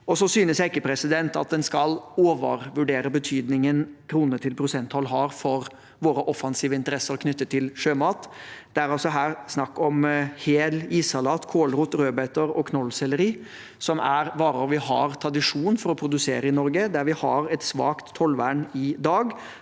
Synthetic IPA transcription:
ɔsɔsyːnəsjæɪkːəpʰɾɛsɪd̪ɛnt̪ɑ̰t̪̚d̪ɛnskɑloːʋə̰ɾʋʉɖeːɾəbət̪ʰyːd̪nɪŋənkʰɾuːnəʈ̪ʰɪlpʰɾʊsɛnt̪hɔlːɦɑɾfɔɾ | ʋoːɾəʔɔfɑnsiːʋəɪnt̪əɾɛsəɾkʰnʏt̪ːət̪ʰːɪlʂøːmɑːt̪d̪̥ɛæɾɑlsɔɦæːɾsnɑkːɔmheːliːsɑlɑːt̪kʰoːlɾuːt̪ɾøːbæɪt̪əɾɔkʰnɔlːsɛlːəɾiː | sɔmæɾʋɑːɾɔɾʋɪhɑ̰ɾt̪ʰɾɑd̪ɪʂuːnfɔɾɔpʰɾʊd̪ʉseːɾəɪnɔɾɡəd̪æɾʋɪhɑ̰ɾɛt̪sʋɑ̰ːkt̪ʰːɔlʋæːɳɪd̪ɑːɡ

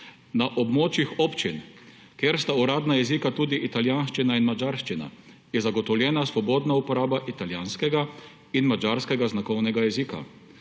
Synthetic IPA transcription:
naʔɔbmoːt͡ʃjixɔpt͡ʃin | kjeːɾst̪auɾaːd̪najɛzikat̪uːd̪iʔit̪aljaːnʃt͡ʃinainmad͡ʒaɾʃt͡ʃina̰ | jɛzaɡɔt̪ɔwljɛːnasʋɔbɔːd̪naupɔɾaːbaʔit̪aljaːnskɛɡa | inmad͡ʒaːɾskɛɡaznakɔwnɛɡajɛzika̰

